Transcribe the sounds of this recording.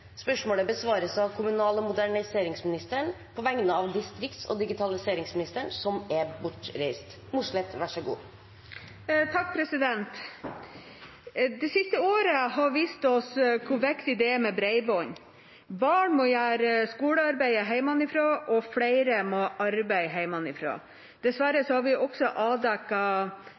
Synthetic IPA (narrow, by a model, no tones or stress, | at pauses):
spœʂmoːləbəsʋɑːɾəsɑʋkʰʊmʉnɑːləɔmʊd̪æɳɪseːɾɪŋsmɪnɪst̪əɳ | pʰɔʋɛŋnəɑʋd̪ɪst̪ɾɪkt̪sɔ̰d̪ɪɡɪt̪ʰɑlɪseːɾɪŋsmɪnɪst̪əɳsɔmæbʊʈɾæɪst̪ | muʂlɛt̪ːʋæʂəɡṵː | t̪ʰɑk̚ːpʰɾɛsɪd̪ɛnt̪ | d̪ɛsɪst̪əoːɾəɦɑʋiːst̪ɔskʰʊʋɛkt̪ɪd̪ɛɛmɛbɾæɪbɔʏn | bɑːɳmɔjæːɾəskuːləɑɾbæɪəɦæɪmɑnɪfɾoːʔɔflæɪɾəmoʔɑɾbæɪɦæɪmɑnɪfɾo̰ː | d̪̥ɛsʋæɾəsɔhɑɾʋɪʔɔksɔʔɑːd̪ækːɑ